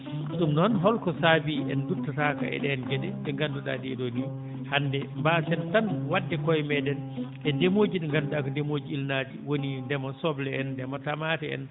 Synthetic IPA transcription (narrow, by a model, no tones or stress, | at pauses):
ɗumnɔnɦɔlkɔsabiʔɛndutːataka̰ʔɛ̰ɗɛːnɡɛɗɛɗɛŋɡanduɗa̰diɛɗoni | handɛmbasɛntanwadːɛkɔjmɛdɛnʔɛdemoːd͡ʒiɗɛŋɡanduɗakɔndemod͡ʒiːlnad͡ʒiwonindɛmasɔblɛɛndɛmatamatɛɛ̰n